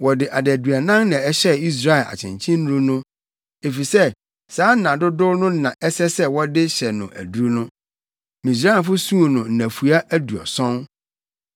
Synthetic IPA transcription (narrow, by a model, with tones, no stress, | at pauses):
wɔ˨dɪ˨ʔa˨dæ˨du˨a˨nã˦ŋnã˨ɛ˦ɕɛ˦i˦s̬ɾa˦ɪ˨la̰˨t͡ɕʰɪ̰̃˨ɲt͡ɕʰĩ˦n˦ũ˦nʊ̃˦ | e˨fi˨sɛ˦ | saː˨˦n̩˦nã˨dʊ˦dʊ˦nʊ̃˦nã˨ʔɛ˦sɛ˦sɛ˦wɔ˦dɪ˦ɕɛ˨nʊ̃˨ʔæ̰˨du˦ɾnʊ̃˦ | mĩ˨s̬ɾa˦˨nfʊ˦sũ˦o˨nʊ̃˨n̩˨næ̃˨fu˨a˦ʔæ˦du˨ɔ̰˨sɔ̃˦n